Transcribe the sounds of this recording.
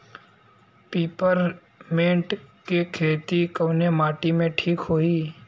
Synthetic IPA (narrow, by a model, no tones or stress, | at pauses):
piːpəɾ | mẽːɳʈkekʰeːt̪ikəʋnemaːʈimẽʈʰiːkɦoːi